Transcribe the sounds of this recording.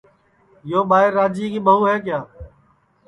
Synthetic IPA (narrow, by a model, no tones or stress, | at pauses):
joːɓaːɦɪɾːaːd͡ʒiːkiːɓəɦuːɦɛːk̬jaː